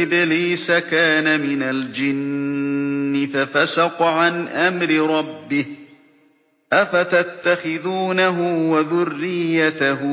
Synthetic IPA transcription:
ɪbɪliːsakaːnamɪnald͡ʒɪnː | ɪfafasɑqʕanʔamɾɪɾˤɑbːɪh | ʔafat̪at̪ːaxɪðuːnaɦʊwaðʊrːɪjːat̪ahʊ

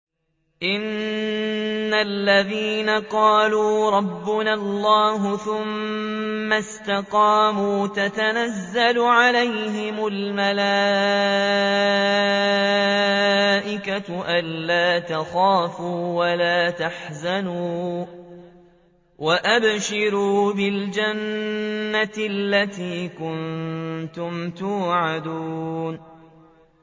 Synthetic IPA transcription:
ʔɪn | alːaðiːnaqɑːluːɾˤɑbːʊnalˤːɑːɦʊθʊmː | ast̪aqɑːmuːt̪at̪anazːalʊʕalajɦɪmʊlmalaː | ʔɪkaʔanːaːt̪axaːfuːwalaːt̪aħzanuː | wʔaʔabʃɪɾuːbɪld͡ʒanː | alːat̪iːkʊnnt̪ʊmt̪uːʕad̪uːn

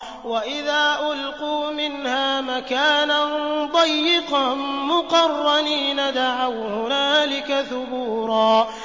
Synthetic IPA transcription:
waʔɪðaːʔʊlquːmɪnhaːmakaːnand̪ˤɑjːɪqɑmʊqɑrˤːɑniːnad̪aʕawhʊnaːlɪkaθʊbuːɾˤɑː

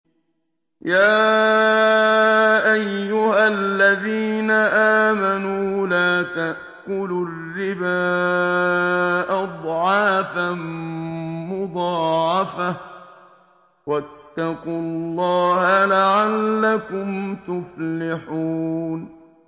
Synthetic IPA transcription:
jaː | ʔajːʊhalːaðiːnaʔaːmanuːlaːt̪aʔ | kʊlʊrːɪbaː | ʔɑd̪ˤʕɑːfam | mʊd̪ˤɑːʕɑfa | wat̪ːɑqʊllˤːɑːhalaʕalːakʊmt̪ʊflɪħuːn

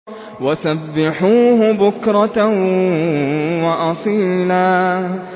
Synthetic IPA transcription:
wasabːɪħuːhʊbʊkɾˤɑ | wɑʔɑsˤiːlaː

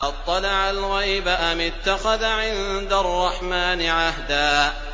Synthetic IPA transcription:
ʔɑt̪ˤːɑlɑʕalɣajbaʔamɪt̪ːaxaðaʕɪnd̪arˤːɑħmaːnɪʕaɦd̪aː

